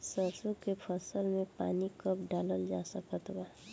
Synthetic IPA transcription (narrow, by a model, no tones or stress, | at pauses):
səsukepʰəsəlmẽpa̰ːnikəp̚ɖaːləld͡ʒasəkət̪ba